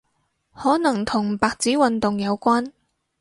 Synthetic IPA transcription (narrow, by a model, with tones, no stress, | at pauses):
hɔː˨˥nɐ˨˩ŋt̪ʰʊ˨˩ŋpaː˨˧k̚t͡siː˨˥wɐ˨nt̪ʊ˨ŋjɐ˨˧wkʷaː˥n